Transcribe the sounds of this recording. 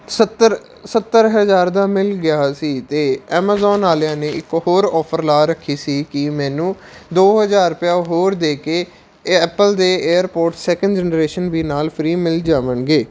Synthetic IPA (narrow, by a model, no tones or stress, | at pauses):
sət̪ːəɾ | sət̪ːəɾɦəzaːɾd̪aːmɪlɡɪjaːsiːt̪eːɛːmaːzɔːnaːljãːneːɪkhoːɾɔːpʰəɾlaːɾəkʰːiːsiːkɪmɛ̃ːnũː | d̪oːɦəzaːɾpɪjaːɦoːɾd̪eːkeː | ɛːpəld̪eːeːəɾpoːɾʈsɛːkənɖd͡ʒɛːnɾeːʃənʋiːnaːlpʰɾiːmɪld͡ʒaːʋənɡeː